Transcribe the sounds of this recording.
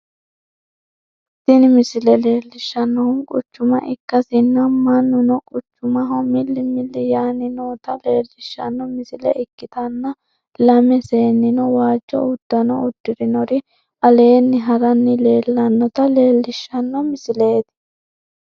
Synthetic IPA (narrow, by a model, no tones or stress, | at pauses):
sɪnɪmɪsɪlɛle̞ːlːɪʃːɐnːɔhʊnkʼʊt͡ʃːʊmɐ̰ʔɪkːɐsɪnːɐmɐnːʊnɔkʼʊt͡ʃːʊmɐɦɔmɪlːɪmɪlːɪjaːnɪnoːt̪ɐleːlːɪʃːɐ̰nːɔmɪsɪlɛ̰ʔɪkːɪt̪ɐnːɐ | lɐmɛse̞ːnːɪnɔwaːd͡ʒːɔ̰ʊd̪̥ːɐnɔʊd̪ːɪɾɪnɔɾɪ | ʔɐle̞ːnːɪɦɐɾɐnːɪle̞ːlːɐnːɔt̪ɐleːlːɪʃːɐnːɔmɪsɪle̞ːt̪